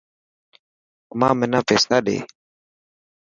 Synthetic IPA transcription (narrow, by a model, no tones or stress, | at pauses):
mamɛnavɛsaɗɛ̰